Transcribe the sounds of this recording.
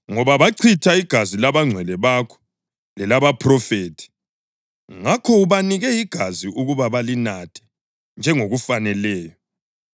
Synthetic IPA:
ŋɔβaβaǀʰitʰaiɡ̥ʱazilaβaŋ͡ǀʱwɛlɛβakʰɔ̥ | lɛlaβapʰrɔfeːtʰi̥ | ŋakʰɔuβaniɣɛjiɡ̥ʱaziʔuɣuβaβalinatʰɛ̥ | nd͡ʒʱɛŋoɣufanɛlɛːjɔ

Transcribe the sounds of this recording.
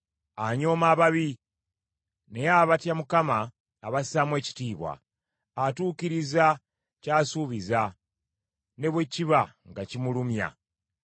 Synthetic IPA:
aɲo̞ːmaːβaβi | ne̞jaβatjamukamaː | βasamwe̞ːci̥tiːβwa̰ː | tuːkiɾiza | caːsuβiza | ne̞βwe̞ciβaŋɡacimulumja̰

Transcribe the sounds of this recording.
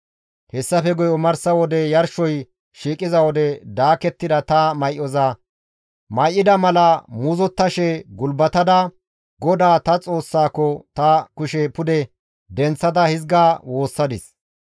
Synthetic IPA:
hɛsːɐfɛɡɔjɔmɐɾsɐwɔd̪ɛjɐɾʃɔj | ʃiːkʼɪzɐwɔd̪ɛd̪aːkɛt̪ːɪd̪ɐt̪ɐmɐjʔɔzɐ | mɐjʔːɪd̪ɐmɐlɐmuzɔt̪ːɐʃɛɡʊlbɐt̪ɐd̪ɐ | ɡɔd̪aːt̪ɐt͡sʼo̞ːsːaːkːɔt̪ɐkʊʃɛpʊd̪ɛ | d̪ɛnt͡sːɐd̪ɐhɪzɡaːwo̞ːsːɐd̪ɪs

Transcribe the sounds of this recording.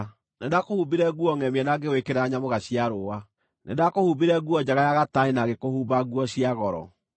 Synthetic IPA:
nedakohubiɾɛɣuɔŋɛmiɛnaɡewekeɾaɲamoɣaɕiaɾowa | nḛdakohubiɾɛɣuɔd͡ʒaɣajaɣataenaɣekohuːbaɣuɔɕiaɣɔɾɔ̰

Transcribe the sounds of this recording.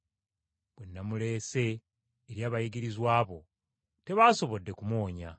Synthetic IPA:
b̥wenːamule̞ːse̞ː | ɾjaːβajiɡiɾizwaːβo̞ | te̞βaːso̞βo̞dːe̞kumwo̞ːɲa

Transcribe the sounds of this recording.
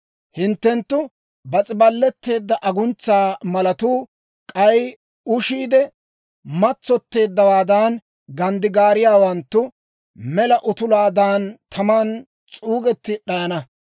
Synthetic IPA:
hɪnt̪ːɛnt̪ːʊ | bɐt͡sʼɪbɐlːɛt̪ːe̞ːd̪ːɐʔɐɡʊnt͡sːaːmɐlɐt̪uː | kʼɐj | ʊʃiːd̪ɛ | mɐt͡sːɔt̪ːe̞ːd̪ːɐwaːd̪aːn | ɡɐnd̪ɪɡaːɾɪjaːwɐnt̪ːʊ | mɛlɐʔʊt̪ʊlaːd̪aːnt̪ʰɐmaːn | t͡sʼuːɡɛt̪ːɪɗɐjɐnɐ

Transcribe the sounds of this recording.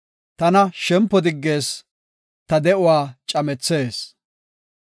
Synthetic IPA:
t̪ɐnɐʃɛmpːɔd̪ɪɡːe̞ːs | t̪ɐd̪ɛʔʊwaːt͡ʃʼɐmɛt͡sːe̞ːs

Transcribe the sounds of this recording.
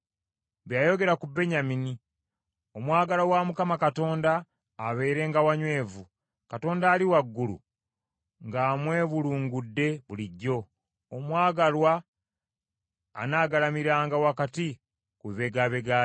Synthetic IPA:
βjaːjo̞ɡe̞ɾakube̞ɲamini | omwaːɡalawamukamakato̞ːndaː | βe̞ːɾe̞ŋɡawaɲwe̞ːvu | kato̞ːndaːliwaɡːulṵ | ŋɡaːmwe̞ːβuluːŋɡudːe̞βuliɟːo̞ | omwaːɡalwa | naːɡalamiɾaːŋɡawakati | kuβe̞ɡaːβeɡaː

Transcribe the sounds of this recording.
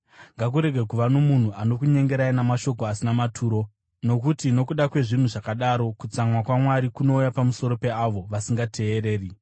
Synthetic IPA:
ŋɡak̬uɾe̞ɡʱekuʋano̞mun̤uʔano̞kuɲe̞ŋɡe̞ɾainamaʃo̞koasinamatʰuːɾo̞ | no̞kutino̞kuɗakwe̞ʐin̤uʐakaɗaɾo̞kut͡samwakwamwaɾikuno̞ujapamuso̞ɾo̞pe̞aʋo̞ʋasiŋɡatʰe̞ːre̞ːri

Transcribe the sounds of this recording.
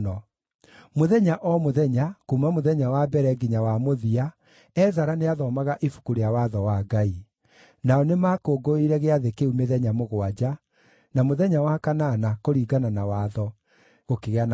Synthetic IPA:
ɔ | moðɛɲaʔɔmoðɛɲakumamoðɛɲawabɛɾɛɡiɲawamoðia | ɛzaɾaneaðɔmaɣaʔifu̥kuɾeawaðɔwaɡai | naɔnemaːkoɡoiɾɛɣeaðekeumeðɛɲamoɣoad͡ʑa | namoðɛɲawakananakoɾiːɡananawaːðɔ | ɣokeɣean

